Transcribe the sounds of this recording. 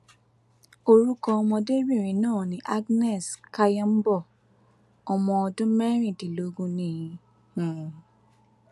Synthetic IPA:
o˧ɾu˦kɔ˧ɔ˧mɔ̃˧de˦bi˦˨ɾ̃ĩ˨˦nãː˦˨nĩ˨˦ʔa˦ɡnɛ˦˨ska˦jã˦m̩˦bɔ˦˨ | ɔ˧mɔ̃˧ɔ˧dũ˦mɛ˦ɾ̃ĩ˦˨ti˨lo˨˦ɡũ˦nĩ˦˧˨jĩ˨˧˨

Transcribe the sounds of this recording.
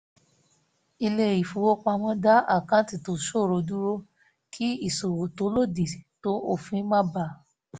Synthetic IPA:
i˧le˧˨i˨fu˨˦wo˦k͡pa˧mɔ̃˦da˦a˦˨kã˨˦ti˨to˨ʃo˦˨ɾo˧˦du˦ɾo˦ | kʰi˦i˦˨so˨wo˨to˨˦lo˦˨di˨to˦o˦˨fĩ˨˦mã˦ba˦˨

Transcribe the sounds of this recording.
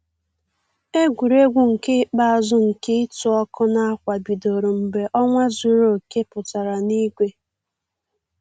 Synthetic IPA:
e˦ɡʷu˨ɾe˦ɡʷʊ˨ŋ̩˨ke˦k͡pa˦a˨zʊ˦ŋ̩˨ke˦i˦tu˨ɔ˦kʊ˦na˦a˦kʷa˨bi˨do˨ɾo˨m̩˨be˨ʔɔ˦ŋʷa˦zu˨ɾo˨ke˦pʊ˨ta˨ɾa˨ni˦ɡʷe˦

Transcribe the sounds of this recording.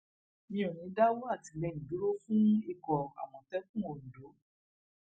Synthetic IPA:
mĩ˦o˨nĩ˨˧˦da˦wo˦a˦˨ti˨lɛ˧˨ĩ˨bi˨˦ɾo˦fũ˦i˦˨kɔ˨a̰˨mɔ̃˨tɛ˦fũ˦o˨n̩˨do˨˦

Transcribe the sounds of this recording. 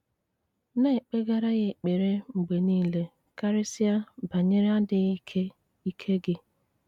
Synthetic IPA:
ne˦˨k͡pe˦ɡa˦ɾa˦ɣe˨k͡pe˨ɾe˦ŋ͡m̩˨ɡ͡be˨niː˦le˦ | ka˦ɾɪ˦sɪ˦a˦ba˨ɲe˦ɾa˦dɪ˨˦kʰe˦ | i˦kʰe˦ɡɪ˦

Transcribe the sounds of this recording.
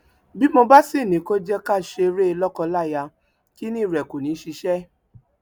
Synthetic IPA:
bi˦mo˧ba˦si˦˨nĩ˨˦ko˦d͡ʒɛ˦ka˦˨ʃe˧ɾe˦˧lɔ˦kɔ˧la˦˨ja˧ | ki˦nĩ˦˨ɾɛ˨ko˨nĩ˨˦ʃi˧ʃɛ˦

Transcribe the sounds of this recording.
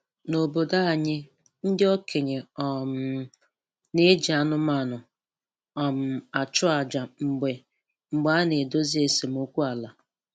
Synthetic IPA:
no˨bo˨da˦a˨ɲɪ˦ | n̩˦dɪ˦ɔ˦kʰe˨ɲe˨ɔ˨m˨ | ne˦d͡ʒi˨a˦nʊ˦m˦a˨nʊ˨ | ɔ˨m̩˨a˨t͡ʃʊ˦a˨d͡ʒa˨ŋ͡m̩˨ɡ͡be˨ | ŋ͡m̩˨ɡ͡ba˨a˦ne˨do˦zi˦e˨se˨m̩˦u˦kʷu˦a˨la˨

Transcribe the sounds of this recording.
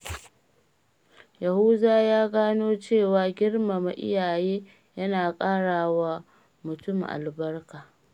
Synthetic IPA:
jɐ˨huː˦daː˦jaː˦ɡaː˦noː˦t͡ʃeː˦˨waː˨ɡʲɪ˦rma˨ma˨ʔɪ̰˦jaː˨jeː˦ | jɐ˦naː˨kʼaː˦ɽaː˨wa˦ | mʊ˨tʊ˦˨mʔa̰˨lbɐ˦rkaː˨

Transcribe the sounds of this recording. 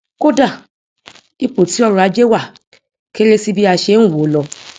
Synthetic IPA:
ko˦da˦˨ | i˦po˨ti˨˦ɔ˦˨ɾu˧a˧d͡ʒe˦wa˦˨ | ke˦ɾe˦si˦bi˦a˧ʃe˧˦nũ˦˨wo˨˦lɔ˧

